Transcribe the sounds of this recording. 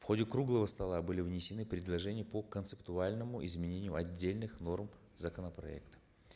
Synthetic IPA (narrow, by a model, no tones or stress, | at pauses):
fxo̞dʲɪkɾuɡlˠəvəst̪ɐlˠabɨlʲɪvnʲɪsʲɪnɨpɾʲɪd̪lˠɐʐɛnʲɪjəpəkənt̪sɨpt̪ʊalʲnəmʊʔɪzmʲɪnʲenʲɪjʊɐdʲːelʲnɨxno̞rm | zəkənəpɾɐ̰ɛ̰kt̪ə̥